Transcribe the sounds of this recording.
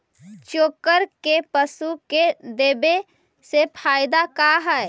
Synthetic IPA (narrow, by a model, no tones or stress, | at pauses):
t͡ʃoːkəɾkepəsuked̪eːbe | sepʰaːɪd̪akaɦɛ